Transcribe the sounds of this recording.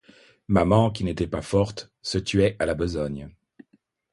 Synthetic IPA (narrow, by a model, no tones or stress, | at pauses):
mamɑ̃k̬ʲinet̪ɛpafɔʁt̪ | sət̪ɥɛʔalabəzɔɲ